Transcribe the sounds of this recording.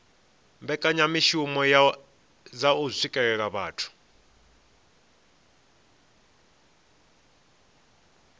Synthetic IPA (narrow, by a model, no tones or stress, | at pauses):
mbɛkʼaɲamiʃumɔ | zausikʼɛɺɛk̬aβaːtʰu̥